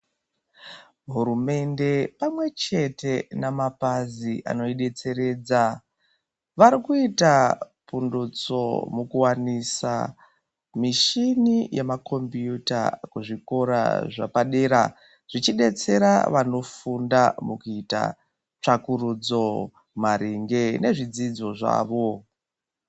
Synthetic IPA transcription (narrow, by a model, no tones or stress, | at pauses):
ɦuɾume̞nde̞pamwe̞t͡ʃe̞te̞namapaziʔa̰no̞iɗe̞t͡se̞ɾe̞ːd͡za | ʋaɾikuita | pundut͡so̰mukuwanisa̰ | miʃinijemakʰo̞mbijuta̰kuʐiko̞ɾa̰ʐa̰paɗeːɾa | ʐ̥it͡ʃiɗe̞t͡se̞ɾa̰ʋano̞fundamukuita̰ | t͡ʂakuɾud͡zo̞ | maɾiŋɡe̞ne̞ʐid͡zid͡zo̞ʐa̰ːʋo̞